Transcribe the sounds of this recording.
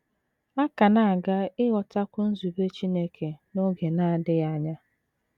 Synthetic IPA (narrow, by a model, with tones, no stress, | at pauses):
a˦ka˨na˦˨a˨ɡa˦ɪ˦ɣɔ˨ta˦kʷʊ˦n̩˦zu˨be˦t͡ʃi˦ne˦kʰe˨no˦ɡe˨na˨a˨dɪ˦ja˦ɲa˦